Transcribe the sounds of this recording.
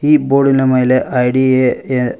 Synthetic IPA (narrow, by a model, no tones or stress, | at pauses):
iːboːɖinemɐjileʔɐjɖiee